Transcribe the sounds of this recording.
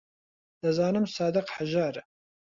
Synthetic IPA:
d̪̥ɨzaːnɨmsaːd̪ɨqħaʒɑːɾ

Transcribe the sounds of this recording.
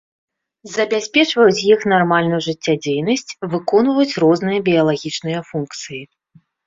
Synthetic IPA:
zɐbʲasʲpʲɛt͡ʂvɐjut͡sʲjixnarmalʲnujuʐɨt͡sʲːad͡zʲejnɐsʲt͡sʲvɨkɔnvɐjut͡sʲrɔznɨjɐbʲijɐlˠaɣʲit͡ʂnɨjɐfunkt̪sɨji

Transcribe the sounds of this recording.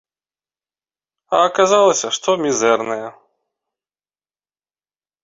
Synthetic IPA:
ɐkazalˠɐsʲɐʂt̪ɔmʲizɛrnɐjɐ

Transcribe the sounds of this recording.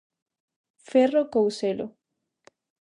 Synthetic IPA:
ferokowselo̰

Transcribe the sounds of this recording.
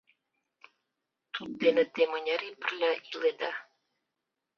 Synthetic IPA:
t̪ut̪̚d̪enə̆t̪emɤ̆nʲɑɾepə̆rlʲɑiled̪ɑ

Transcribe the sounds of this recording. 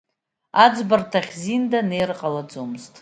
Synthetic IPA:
ad͡zbartʰaχʲzindane̞jrqʼalad͡zomztʼ

